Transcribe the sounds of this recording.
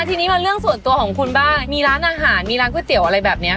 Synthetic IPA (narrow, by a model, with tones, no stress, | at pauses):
a˧t̪ʰiː˧niː˦˥ma˧lɾɯ˥˩əŋsu˨˩ənt̪u˧əkʰɔː˩˦ŋkʰu˧nbaː˥˩nmiː˧ɾaː˦˥nʔaː˧ɦaː˩˦nmiː˧ɾaː˦˥nkʰu˥˩t̪i˨˩˦əwʔa˧ɾa˧jbɛː˨˩p̚ni˦˥ɐ